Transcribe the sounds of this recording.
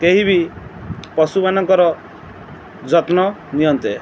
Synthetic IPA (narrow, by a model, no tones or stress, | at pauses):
keɦibi | pɔsubanɔŋkɔɾɔ | d͡ʒɔt̪nɔ | nijɔnt̪e